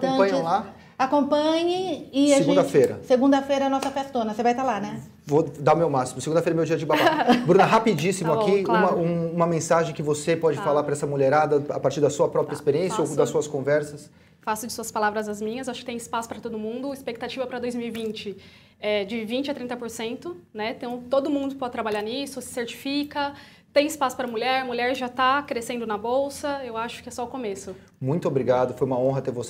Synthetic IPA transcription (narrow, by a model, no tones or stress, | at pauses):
t̪oɐ̃pɐ̃ɲɪ̃la | akõpɐ̃ɲɪɪaʒeɡũd̪ɐfejɾɐ̰seɡũnd̪ɐfejɾɐnɔsɐfɛst̪õnɐsevajt̪alanɛ | vod̪aʊmewmasimʊseɡũd̪ɐfeɾɛmewd͡ʒiɐd͡ʒɪbaabɾũnɐɦapid͡ʒisimʊakiũmɐũũmɐmẽsaʒẽj̃kɪvosepɔd͡ʒɪfalaɾpɾɐɛsɐmoleɾad̪ɐapaɾt͡ʃiɾd̪ɐsuɐpɾɔpɾiɐispeɾiẽsjɐod̪ɐsuɐskõvɛɾsɐs | fasʊd͡ʒɪsuɐspalavɾɐzɐzmĩɲɐsewaʃʊkɪt̪ẽj̃ɪspasʊ̥pɾɐt̪od̪ʊmũnd̪ʊispek̚t̪at͡ʃivɐpɾɐd̪ojzmiwivĩnt͡ʃɪ | ɛd͡ʒɪvĩnt͡ʃɪat̪ɾĩnt̪ɐpoɾsẽnt̪ʊnɛt̪ɐ̃w̃t̪od̪ʊmũnd̪ʊpɔd͡ʒɪt̪ɾabaʎaɾnisʊsɪ̥seɾt͡ʃi̥fikɐ | t̪ẽj̃ɪspasʊ̥pɾɐmuʎɛɾmuʎɛɾʒat̪akɾesẽnd̪ʊnɐbowsɐewaʃʊ̥kɪɛsɔʊkomesʊ | mũj̃t̪ʊobɾiɡad̪ʊfojũmɐõɦɐt̪eɾvose